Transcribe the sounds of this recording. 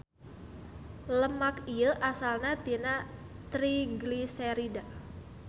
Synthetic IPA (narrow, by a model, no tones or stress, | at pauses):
ləmakiəʔasalnat̪ina | t̪ɾiɡliseɾida